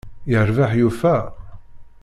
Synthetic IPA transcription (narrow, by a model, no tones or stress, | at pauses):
jəɾvaħjufæ